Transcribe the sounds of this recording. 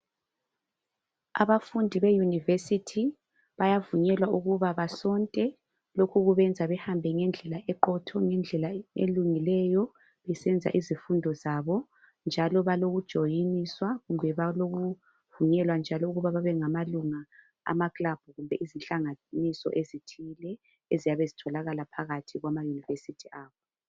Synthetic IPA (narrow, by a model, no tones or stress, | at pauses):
a̰βafundʱiβejunivesitʰi | βajavuɲɛlwauɣuβaβasɔntʼɛ | lokʰuɣuβɛnd͡zʱaβɛhambʱɛŋɛnd͡ɮʱɛlaʔɛǃɔtʰɔŋɛnd͡ɮʱɛlaḛluŋilɛjɔ | βɛsɛnd͡zʱa̰ʔizifundʱɔzaβɔ | nd͡ʒʱalɔβaloɣud̥ʒ̥ʱɔjiniswaɣumbʱɛβaloɣu | vuɲɛlwand͡ʒʱalɔuɣuβaβaβɛŋamaluŋa | a̰maklab̥ʱuɣumbʱɛʔizinɬʼaŋanisɔ̰ʔezitʰilɛ | ezijaβezitʰɔlaɣalapʰaɣatʰiɣwamajunivesitʰiaːβɔ